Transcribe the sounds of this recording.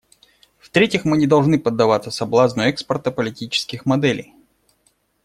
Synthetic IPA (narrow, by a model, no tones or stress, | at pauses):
ft̪ɾʲetʲɪxmɨnʲɪd̪ɐlˠʐnɨpəd̪ːɐvat̪səsɐblˠaznʊjʊɛkspərt̪əpəlʲɪtʲit͡ɕɪ̥skʲɪxmɐd̪ɛlʲɪ̰j